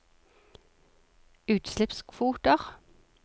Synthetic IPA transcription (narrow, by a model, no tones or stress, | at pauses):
ʉːt̪slɪpskʰʋuːt̪əʁ